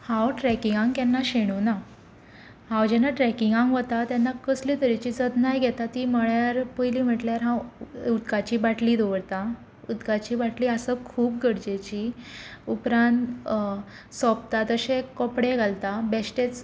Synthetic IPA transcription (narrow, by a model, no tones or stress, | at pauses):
hãwʈɾɛkiŋɡãŋɡk̪ɛnːaɕeɽ̃uːna | hãwd͡ʑɛnːaʈɾɛkiŋɡãŋɡʋət̪at̪janːakəslit̪əɾit͡ɕid͡zəd̪najɡʱɛt̪at̪iːməɭjaɾpəjliːm̤əʈljaɾɦãwud̪kat͡ɕiːbaʈliːd̪oʋəɽt̪a | ud̪kat͡ɕiːbaʈliːəsəkʰuːp̚ɡəɽd͡ʑet͡ɕiːupɾãnt̪ | sɔpt̪at̪əɕekɔpɽeɡalt̪abɛsʈet͡s